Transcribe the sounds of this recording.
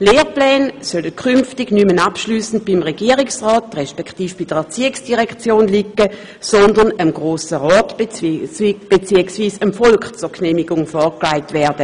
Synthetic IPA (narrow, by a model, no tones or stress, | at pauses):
leːʁplɛːnsœləkʰynftɪɡnymənapʃlyːsn̩t̚b̥imʁeɡiːəʁɪksʁɔːtʁɛʃpɛktiːfb̥ɪd̥əʁɛɐt͡siːɪksd̥iʁɛkt͡sjoːnlikːə | sɔndɐnəmɡʁoːsəʁɔːt | b̥et͡siəksviːsəmfɔlkχt͡suɐknɛːmɪɡʊŋfɔːɐklaɪtvɛːɐd̥ə